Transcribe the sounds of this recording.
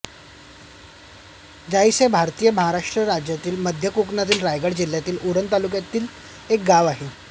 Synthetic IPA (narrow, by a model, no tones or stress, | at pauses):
d͡ʑajsebʱaɾt̪iːjəməɦaɾaʂʈɾəɾad͡ʑjat̪iːlməd̪ʱjəkuknat̪iːlɾajɡaɽd͡ʑil̤jat̪iːluɾənt̪alukjat̪iːl | ek̚ɡaʋaɦe